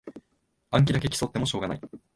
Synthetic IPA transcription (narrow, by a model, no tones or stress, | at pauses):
ãŋk̬ʲid̪ak̬e̞kʲi̥so̞t̪ːe̞moɕo̞ːɡana̰i